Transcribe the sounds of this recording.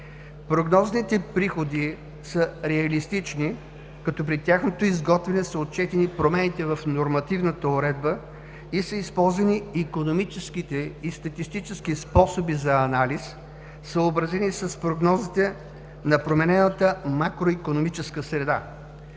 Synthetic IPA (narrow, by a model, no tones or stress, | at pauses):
pɾoɡnɔznit̪ɛpɾixod̪i | səɾɛɐlist̪it͡ʃni | kɐt̪ɔp̬ɾit̪ʲjaxnot̪oizɡɔt̪vɛnɛsəot̪̚t͡ʃɛt̪ɛnipɾomɛnit̪ɛvɐfnoɾmɐt̪ivnət̪əoɾɛd̪̚bə | isəispɔlˠzvɐniikonomit͡ʃɛskit̪ɛist̪ɐt̪ist̪it͡ʃɛskispɔsobizɐɐnalisː | əːbɾɐzɛnisɐspɾoɡnɔzit̪ɛ | nɐpɾomɛnɛnət̪əmakɾoikonomit͡ʃɛskəsɾɛd̪a̰